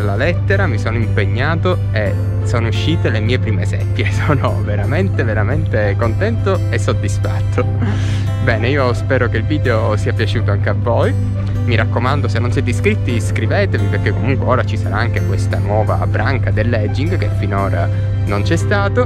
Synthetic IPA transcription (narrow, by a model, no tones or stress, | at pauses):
lːalɛt̪ːeɾamisoːnoimpeɲːaːt̪o | e | soːnouʃːiːt̪elemiːepɾiːmesɛ̰pːjesoːno̰veɾament̪eveɾament̪ekont̪ɛnt̪o | esːod̪ːisfat̪ːo | bɛːneiːospɛːɾokeilviːd̪eo | siːapjat͡ʃuːt̪oaŋk̟eavːoj | miɾʔakːomand̪osenːonsɛt̪ːiskɾit̪ːiskɾiveːt̪eviperk̟ekːomuŋkweoːɾat͡ʃisaɾa̰aŋk̟ekwest̪anwɔːva̰bɾʔaŋkad̪elːɛd͡ʒːiŋɡkefːinoːɾa̰ | nont͡ʃɛst̪aːt̪o